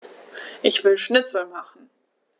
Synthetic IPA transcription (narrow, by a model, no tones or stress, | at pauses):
ʔɪçv̥ɪlʃnɪt͡sl̩maχn̩